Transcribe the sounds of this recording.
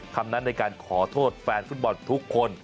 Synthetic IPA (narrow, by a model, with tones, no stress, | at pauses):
kʰa˧mna˦˥nːa˧jkaː˧nkʰɔː˩˦t̪ʰoː˥˩t̪̚fɛː˧nft̪̚bɔ˧nt̪ʰu˦˥kʰːo˧n